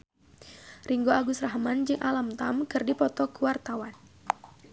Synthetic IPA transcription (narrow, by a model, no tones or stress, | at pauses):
riŋɡoaɡusraɦmand͡ʒɨŋʔalamt̪amkɨrdipɔt̪ɔkuwart̪awan